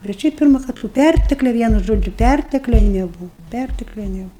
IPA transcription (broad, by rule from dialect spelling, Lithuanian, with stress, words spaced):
bʲɛt ˈʃʲɛɪp ˈpʲɪrmɐ kɐt toː ˈpʲærʲtʲɛklʲɛ ˈʋʲiɛnʊ ˈʒoːd͡ʒʲʊ ˈpʲærʲtʲɛklʲɛ nʲɛˈbuːw pʲærʲtʲɛklʲɛ nʲɛˈbʊw